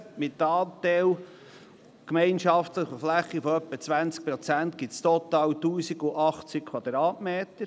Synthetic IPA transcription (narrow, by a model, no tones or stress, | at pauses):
mɪt̪ːɑːt̪ɛw | kmɛɪnʃɑft̪ləχoflæχːifɔœpːət͡sʋænt͡sk̚pɾɔt͡sænt̪ɡɪt̪st̪ɔt̪ɑːwt̪uːsiɡʊʔɑχt͡sɪkʰwɑd̪ɾɑːtmeːt̪əɾ